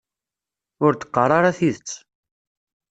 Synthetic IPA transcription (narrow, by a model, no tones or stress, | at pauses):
ʊɾt̪ːə̥qːərˤɑɾaθiðət͡sː